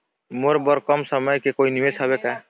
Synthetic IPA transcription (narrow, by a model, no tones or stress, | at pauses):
moɾbɔɾkɔmsəməjkekoinimesɦʌβeka